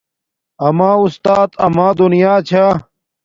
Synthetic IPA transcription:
ɐmãːust̪aːt̪ɐmãːd̪unijaːt͡ɕʰa

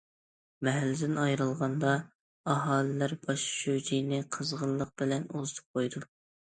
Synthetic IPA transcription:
mɛɦælːɪd̪ɪnɑjɾɨlˠʁɑnd̪ɑ | ɑɦɑːlɪlæɾbɑʃʃød͡ʒijnɪqʰəzʁəlˠːəq̚b̥ɪlɛnozɨt̪ʰɨ̥p̚qʰojd̪u

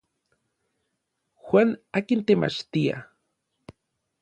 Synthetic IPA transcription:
xwanaːkint̪ema̰t͡ʃt̪ia̰

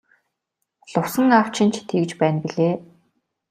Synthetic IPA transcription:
ɮʊwsə̆ŋaw̥t͡ɕʰɪ̆nt͡ɕʰt̪ʰeɣ̆t͡ɕpæːnpiɮeː

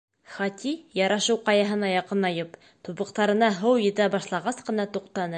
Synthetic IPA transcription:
χɒt̪ʲijɑɾɑʃɤwqɑjɑɦɤnɑjɑqɤnɑjɤp | t̪uβɤ̆qt̪ɑɾɤ̆nɑɦɤwjɘ̆t̪æbɑʃlˠɑʁɑsqɤ̆nɑt̪uqt̪ɑnɤ

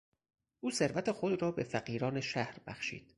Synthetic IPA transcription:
ʔuːse̞ɾvæt̪ʰexod̪ɾɒːbe̞fæɢiːɾɒːneʃæhɾbæ̰xʃḭːd̪̥

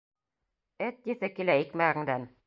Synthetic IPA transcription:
ɘt̪̚ːiθɘkilæikmæɣɘ̆ŋd̪æn

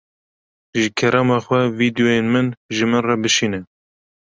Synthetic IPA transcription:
ʒɨkʰɛɾɑmɑxʷɛvid̪ijojenmɨnʒɨmɨnrɑbɨʃiːnɛ

